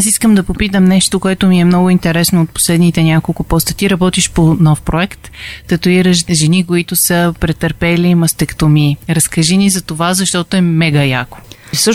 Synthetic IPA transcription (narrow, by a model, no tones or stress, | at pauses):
asiskəmd̪ɐpopit̪əmnɛʃt̪okoɛt̪ʊmiɛmnɔɡʊint̪ɛɾɛsnoot̪̚po̥slɛd̪nit̪ɛnʲakolˠkʊpɔst̪ət̪iɾɐbɔt̪iʃponɔfpɾoɛkt̪ːət̪ʊiɾəʃʒɛnikoit̪ʊsəpɾɛt̪əɾpɛlimɐst̪ɛkt̪omiɾɐskɐʒinizɐt̪ovazɐʃt̪ɔt̪oɛmɛɡɐjako̥ | sʃ